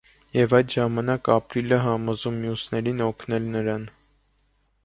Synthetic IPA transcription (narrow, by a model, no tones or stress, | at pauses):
jɛvɑjd̪ʒɑmɑnɑkɑpɾiləɦɑmɔzumːjusnɛɾinɔkʰnɛlnəɾɑn